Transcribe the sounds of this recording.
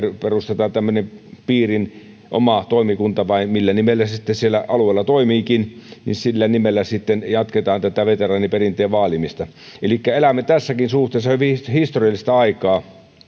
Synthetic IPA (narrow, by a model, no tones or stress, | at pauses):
rperust̪et̪ɑːnt̪æmːønempiːrin | ʔo̰mɑt̪oˑimikunt̪ɑʋɑimilːænimelːæsit̪ːesielːæʔɑlueːlːɑt̪oimiːkinnḭnsilːænimelːæsit̪ːenjɑt̪ket̪ɑːnt̪æt̪æʋet̪erɑːniperint̪ˑeːʋɑːlimist̪ɑ | elikːæelæmːet̪æsːækinsuht̪eˑːsːɑhyʋihist̪oriɑlːˑist̪ɑɑikɑː